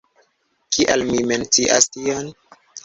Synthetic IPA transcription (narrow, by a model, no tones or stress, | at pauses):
kiʔalmiment͡siʔa̰stion